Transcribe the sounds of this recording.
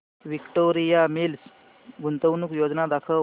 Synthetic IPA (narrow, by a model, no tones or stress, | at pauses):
ʋikʈoɾijamils | ɡʱunt̪əʋnuːkjod͡znad̪akʰə